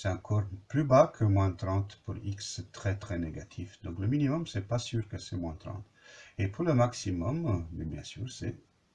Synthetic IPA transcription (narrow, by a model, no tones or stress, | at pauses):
sɛt̪ɑ̃kʰɔʁplybakʰəmwɛ̃t̪ʁɑ̃t̪puʁiksɛt̪χɛt̪χɛneɡat̪ʰifd̪ɔ̃kləminimɔmsɛpasyːʁkəsɛmwɛ̃t̪ʁɑ̰̃t̪ | epʰuʁləmaksimɔmːɛbjɛ̃sy̰ːʁsɛ̰